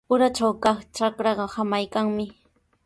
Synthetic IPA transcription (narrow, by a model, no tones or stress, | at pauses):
ʊɾat͡ʃawkɑχt͡ʃakɾɑɢɑhamajkaŋmɪ